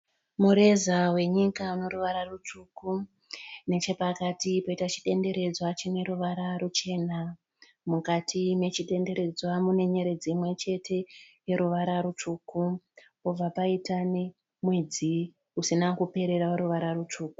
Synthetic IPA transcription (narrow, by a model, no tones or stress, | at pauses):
muɾe̞zawe̞ɲikauno̞ɾuʋaɾarut͡ʂuku | ne̞t͡ʃe̞pakatipoitat͡ʃi̥ɗe̞nde̞ɾe̞d͡zwat͡ʃine̞ɾuʋaɾarut͡ʃe̞ːna | mukatʰime̞t͡ʃiɗe̞nde̞ɾe̞d͡zwamune̞ɲe̞ɾe̞d͡ziːmwe̞t͡ʃe̞tʰe̞je̞ɾuʋaɾaɾut͡ʃuːku | pob͡vapaitane | mwe̞d͡zi | usinakupe̞ɾe̞ɾaoɾuʋaɾarut͡ʂuːku̥